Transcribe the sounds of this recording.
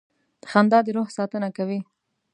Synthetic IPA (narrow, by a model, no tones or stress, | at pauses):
d̪̥əxand̪ɑd̪əɾohsɑt̪ənakawi